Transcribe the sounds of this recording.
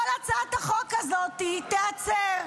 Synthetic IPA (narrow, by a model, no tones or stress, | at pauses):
olat͡sat̪aχokazo̞t̪it̪eat͡seʁ